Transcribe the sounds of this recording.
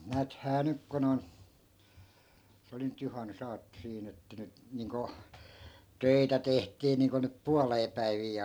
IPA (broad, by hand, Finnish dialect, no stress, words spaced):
næːthæː nyk kun on se oli nyt juhɑnːusɑːtːo siːn etːæ nyt niːŋko tøitæ tehtiː niːŋko nyp puɑleː pæiʋiː